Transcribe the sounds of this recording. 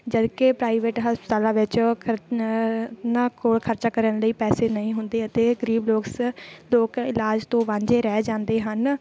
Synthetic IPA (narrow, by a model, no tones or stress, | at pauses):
d͡ʒəd̪kepɾaːiʋeːʈɦəspə̥t̪aːlãːʋɪt͡ʃʰ | nãːkoːɭkʰəɾt͡ʃaːkəɾəɳləiːpɛːseːnəĩːɦʊnd̪eːət̪eːɡəɾiːbloːksloːkɪlaːd͡ʒt̪õːʋãːɲd͡ʒeːɾɛːd͡ʒãːnd̪eːɦən